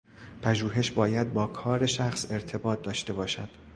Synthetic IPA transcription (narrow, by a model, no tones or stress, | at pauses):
pʰæʒuːɦe̞ʃbɒːjæd̪̚bɒːkʰɒːɾe̞ʃæxse̞ɾt̪ʰe̞bɒːt̪̚d̪ɒːʃt̪e̞bɒːʃæd̪̥